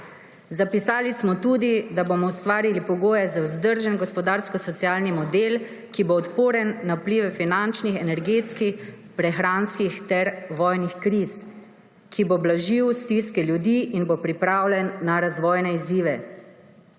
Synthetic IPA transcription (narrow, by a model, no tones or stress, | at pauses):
zapisaːlismɔt̪ud̪id̪abomɔwst̪ʋaːɾilipɔɡoːjɛzawzd̪əɾʒɛnɡɔspɔd̪aːɾskɔsɔt̪sijaːlnimɔd̪el | kiboɔt̪poːɾɛnːawpliːʋɛfinant͡ʃnixɛnɛɾɡeːt̪skix | pɾɛxɾanskixt̪ɛɾʋɔjnixkɾis | kʰiboblaʒiwst̪iskɛljud̪iʔinbopɾipɾaːwlʲɛnːaɾazʋɔːjnɛiziːʋɛ